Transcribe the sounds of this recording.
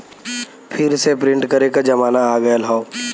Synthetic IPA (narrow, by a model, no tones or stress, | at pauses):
pʰɪɾsepɾɪ̃ɳʈkɐɾekad͡ʒɐmaːnaːɡɐjalɦao